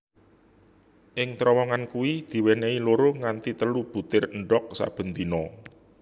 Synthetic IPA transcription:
ʔɪŋt̪ɾɔwɔŋankuwid̪̥i̤weneiloɾoŋant̪it̪əlub̥ṳt̪ɪrɳɖɔk̚sa̰b̥ə̤nt̪inɔ

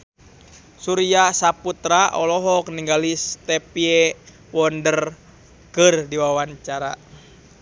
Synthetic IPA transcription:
suɾiasaput̪ɾaʔɔlɔɦɔk̚niŋɡalist̪ɛpiɛ | wɔndər | kɨrdiwawaɲt͡ʃaɾa̰

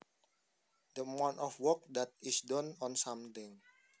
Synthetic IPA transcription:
d̪əmɔ̃nʔɔfwɔk̚dat̪̚isdɔnɔnsãmt̪ɪ̃ŋ

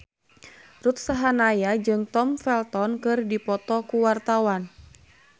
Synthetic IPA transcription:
rut̪̚saɦanajad͡ʒɨŋt̪ɔmfɛlt̪ɔnkɨrdipɔt̪ɔkuwart̪awan

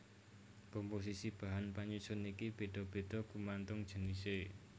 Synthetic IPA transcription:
kɔmpos̬isib̥a̤ɦanpaɲusʊnikib̥e̤ɖ̥ɔ̤b̥e̤ɖ̥ɔ̤kumant̪ʊŋ̥ʒ̥ə̤nise

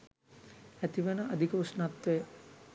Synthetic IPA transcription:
æt̪iʋenəʔad̪ʱikəusnat̪ʋe

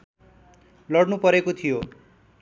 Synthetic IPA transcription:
lʌɽnupʌɾekot̪ʰijo

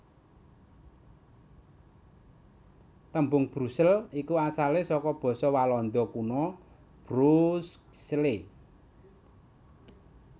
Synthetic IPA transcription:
t̪əmbʊŋb̥ɾusəlikuasalesɔkɔb̥ɔ̤sɔwalɔnd̪ɔkunɔ | b̥ɾusksle

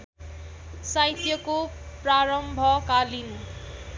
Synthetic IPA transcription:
sajt̪jʌko | praɾʌmbʱʌkalinu

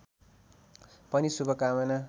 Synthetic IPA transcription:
pʌnisubʌkamʌna

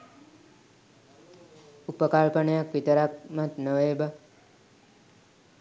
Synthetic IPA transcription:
upəkaɭpənəjakʋit̪əɾak̚mat̪nəʋeːba

